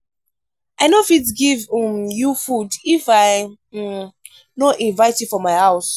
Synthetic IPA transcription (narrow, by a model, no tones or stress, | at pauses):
aɪnofidɡivmjufudifaɪ | noʔĩnvaɪtjufɔmaɪhaʊs